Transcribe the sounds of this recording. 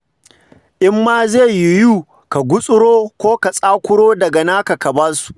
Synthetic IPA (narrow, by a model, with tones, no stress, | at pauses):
ʔɪ˦mːaː˦zeː˦˨jʊ˨juː˦ | ka˨ɡʷʊ˦sʼʊ˦ɽoː˦kʷoː˦ka˨sʼaː˦kʷʊ˦ɽoː˦dɐ˨ɡa˨naː˦ka˨ka˨bɐ˦su̥˨ʔ